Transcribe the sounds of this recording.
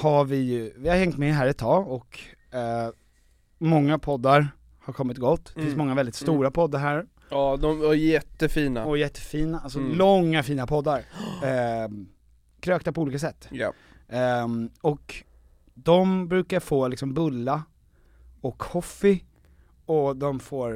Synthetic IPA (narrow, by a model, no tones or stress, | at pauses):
havɪjɵvɪhaɾhɛŋt̪mɛɦæːɾɛt̪ʰːɑːɡɔkː | mɔŋːapʰɔd̪ːaɾ | haɾkʰɔmːɪt̪̚ɡɔt̪ːd̪ɛfɪnsmɔŋːavɛld̪ɪt̪st̪uːɾapʰɔd̪ːaɾɦæːɾ | d̪ɔmvajɛt̪ːəfiːnaɔjɛt̪ʰːə̥fiːnaalsɔlɔŋːafiːnapʰɔd̪ːaɾ | kʰɾøːkt̪apʰɔuːliːkas̬ɛt̪ːja | ɔk | d̪ɔmbɾʉ̟ːkaɾfoːlɪksɔmbɵlːa | ɔkhɔfɪ | ɔd̪ɔmfoːɾ